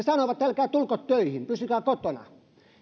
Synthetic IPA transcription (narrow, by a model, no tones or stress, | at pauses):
esɑnoʋɑt̪tælkæːt̪ulkot̪t̪øihimpysykæːkot̪onɑ̰